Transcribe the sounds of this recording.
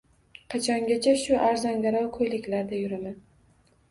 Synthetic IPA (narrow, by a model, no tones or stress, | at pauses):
qʰɑt͡ʃʰɒŋɡʲat͡ʃʰaʃʊʔaɾzaŋɡʲaɾɒwkʰɵjlɪkʲlaɾd̪ajʊɾɪman